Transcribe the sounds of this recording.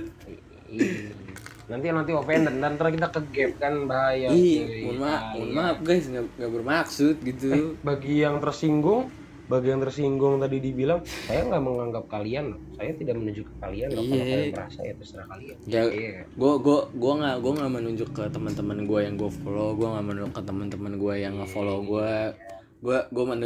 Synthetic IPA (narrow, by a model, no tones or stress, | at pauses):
i | nant̪ianant̪iofɛndəndant̪aɾakit̪akəɡɛp̚kanbaɦajaimʊnmaʊnmap̚ɡajsŋɡaŋɡaʔbərmaksʊt̪̚ɡit̪ubaɡijaŋt̪ərsiŋɡʊŋ | baɡijaŋt̪ərsiŋɡʊŋt̪adidibilaŋsajaŋɡaʔməŋaŋɡap̚kalianlasajat̪idaʔmənuɲd͡ʒʊkəkalianlajaəɾa̰sa̰it̪ust̪əɾakaliaɡaakaɡuaɡuaɡuaŋaɡuaŋamənuɲd͡ʒʊkːət̪əmənt̪əmənɡuajaŋɡuafoloɡuaŋaʔmənuɲd͡ʒʊkːət̪əmənt̪əmənɡuajaŋːafoloɡua | ɡuaɡuamən